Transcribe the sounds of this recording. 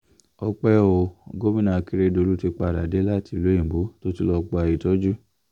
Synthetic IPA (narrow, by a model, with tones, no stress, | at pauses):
ɔ˧k͡pɛ˦o˧˨ɡo˦mĩ˦nã˧˨˧ki˦ɾe˧˦do˧lu˦ti˧k͡pa˧˨ɾa˨de˨˦la˦ti˧˨lo˨˦ĩ˦˨bo˨˦to˦ti˦lɔ˧k͡po˧a˧i˧˨tɔ˦d͡ʒu˦